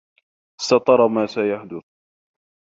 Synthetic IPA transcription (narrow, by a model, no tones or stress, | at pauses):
ɪ̥st̪ɑt̪ˤɑɾˤɑmaːsajaħd̪ʊθ